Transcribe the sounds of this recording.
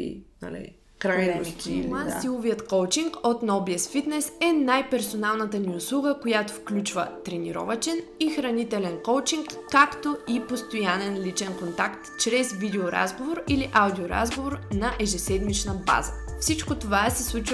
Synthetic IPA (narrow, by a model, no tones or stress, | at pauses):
nɐ̰lḭ | kɾaj̪k̪imansilˠoviət̪kɔwt͡ʃiŋkot̪nɔbiɛsfit̪nɛsɛnajpɛɾsonalˠnət̪əniʊslˠuɡəkojat̪o̥fklʲut͡ʃvə̰t̪ɾɛniɾɔ̰vət͡ʃɛn | ixɾɐnit̪ɛlɛnkowt͡ʃiŋkːakt̪oipost̪ojanɛnlit͡ʃɛnkont̪akt̪t͡ʃɾɛzvid̪ɛoɾa̰zɡovoɾiliʔawd̪ʲioɾa̰zɡovoɾnɐʔɛʒɛsɛd̪mit͡ʃnəba̰zəfsit͡ʃkot̪ovasɛslˠut͡ʃ